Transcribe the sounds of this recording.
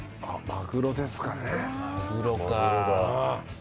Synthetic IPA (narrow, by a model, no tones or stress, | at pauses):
amakɯ̟ɾo̞d̪e̞sɨ̥kanemakɯɾokaoa